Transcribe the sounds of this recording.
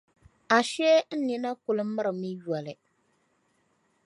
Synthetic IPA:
a˨ʃɛ˦n̩˦ni˦na˦kʊ˨lɨ˦mːɨ˦ɾɨ˨mɨ˦jɔ˨lɨ˨

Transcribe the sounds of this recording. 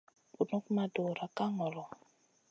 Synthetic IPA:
u˨nɔ˦kma˦do˨ɾa˨ka˦ŋɔ˨lɔ˨

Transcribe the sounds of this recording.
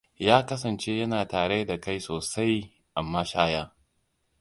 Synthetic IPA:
jaː˦kɐ˦s̬ɐ˨nt͡ʃe˦jɐ˦naː˨taː˨ɽe˦da˨ka˦jsoː˨sa˦j | ʔa˨mːaː˦ʃaː˦jaː˦

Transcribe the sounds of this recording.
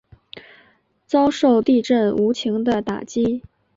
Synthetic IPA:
t͡sɑ˥ʊʂo˥˩˧ʊt̪i˥˧ʈ͡ʂə˥˩nu˧˥t͡ɕʰi˧˥ŋd̪ə˧t̪a̰˨˩t͡ɕi˥

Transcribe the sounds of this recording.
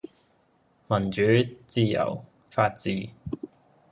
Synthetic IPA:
mɐ˨˩nt͡ʃyː˨˥t͡siː˧jɐ̰˨˩w | faː˧t̚t͡siː˨˥

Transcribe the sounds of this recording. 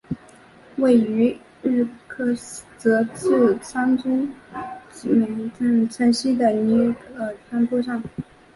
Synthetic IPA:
we˥˩ɪy˧˥ | ɻɻ̩˥˩kʰɤ˥t͡sɤ˧˥t͡s̩˥˩t͡sʰɑ˥ŋʈ͡ʂʊ˥ŋt͡ɕi˧˨˩mi˧˥ŋt͡sa˥˩t͡sʰa˥nɕi˥d̪ə˨i˧˥ɡə˩tʰa˥npɔ˥ʂɑ˥˩ŋ

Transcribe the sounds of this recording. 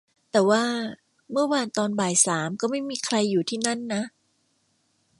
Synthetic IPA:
t̪ɛː˨˩waː˥˩ | mɯ˥˩ɐwaː˧nt̪ɔː˧nbaː˨˩jsaː˩˦mkɔː˥˩ma˥˩jmiː˧kʰɾa˧jːuː˨˩t̪ʰiː˥˩na˥˩nːa˦˥ʔ

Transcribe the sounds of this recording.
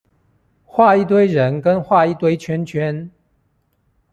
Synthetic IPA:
xwa˥˧i˥˨t̪̬we˥ɪɻə˨˦nkə˦nxwa˥˨i˥˨t̪we˥ɪt͡ɕʰɥɛ˥˦nt͡ɕʰɥɛ˦n

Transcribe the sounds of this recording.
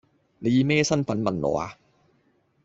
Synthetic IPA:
ne˨˧jiː˨˧mɛː˥sɐ˥nfɐ˨˥nmɐ˨˥nlɔ̰ː˨a̰ː˧

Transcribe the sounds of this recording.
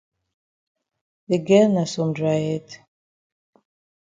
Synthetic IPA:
de˨ɡɛ˦na˨sɔ˨mdɹajɛ˦t

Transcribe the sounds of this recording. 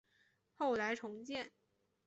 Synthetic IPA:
xo˥˩ʊla˧˥ɪʈ͡ʂʰʊ˧˥ŋt͡ɕjɛ˥˩n

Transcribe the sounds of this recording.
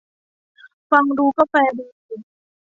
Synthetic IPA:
fa˧ŋduː˧kɔ˥˩pɛː˧duː˧si˨˩

